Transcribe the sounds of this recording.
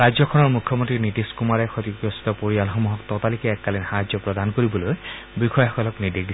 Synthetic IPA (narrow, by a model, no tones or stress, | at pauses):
ɹazɔkʰɔnɔɹmukʰjɔmɔntɹinitiskumaɹɛxotikɹɔsi̥tɔpoɹialxɔmuɦɔktɔtalikɛːkːalinxaɦzɔpɹɔdankoɹibɔloj | bixʰɔjɦɔkɔlɔknidik̚di